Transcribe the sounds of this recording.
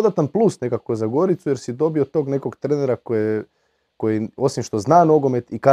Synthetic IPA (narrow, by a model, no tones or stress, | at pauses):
od̪at̪anplˠusnekakozaɡo̞ɾit̪suje̞ɾsid̪o̞biot̪o̞ːɡne̞ko̞ɡt̪ɾeneɾakoje | ko̞jio̞simʃt̪o̞znaːno̞ɡo̞me̞t̪ika